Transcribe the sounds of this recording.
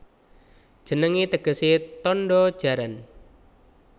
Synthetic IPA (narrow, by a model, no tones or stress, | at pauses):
d̥ʒ̥ənəŋit̪əɡ̥ə̤sit̪ɔnɖɔ̥ʒ̥a̤ɾan